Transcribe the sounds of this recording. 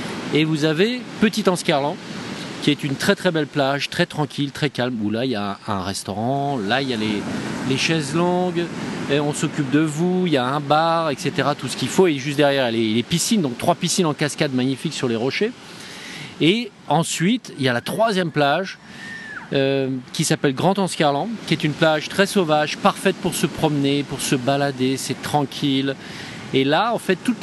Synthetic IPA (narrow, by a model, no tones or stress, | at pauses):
evuzavepət̪it̪ɑ̃skʲaʁlɑ̃kʲiɛt̪ynt̪χɛt̪χɛbɛlplaʒt̪χɛt̪χɑ̃kʲʰilt̪χɛkalmulailjaɛ̃ʁɛst̪ɔʁɑ̃lailjaleleʃɛzlɔ̃ɡɔ̃sɔkʲyp̚d̪əvuijaɛ̃baʁɛkset̪eʁat̪usə̥kʲifoeʒyst̪̚d̪ɛʁjɛʁlelepisind̪ɔ̃ŋk̚t̪χwapisinɑ̃kaskʲad̪maɲifiksyʁleʁɔʃe | e | ɑ̃sɥit̪iljalat̪χwazjɛmplaʒ | økʲisapɛlɡʁɑ̃t̪ɑ̃skʲaʁlɑ̃kʲiɛt̪ynplaʒt̪χɛsovaʒpaʁfɛt̪̚puʁsəpχɔmnepuʁsəbalad̪esɛt̪χɑ̃kʲʰil | elaɑ̃fɛt̪ːut̪